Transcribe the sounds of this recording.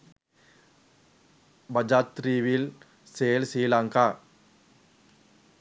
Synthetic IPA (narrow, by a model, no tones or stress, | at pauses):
bɐd͡ʒat̪ɾiːʋil | seːlsiːlaŋka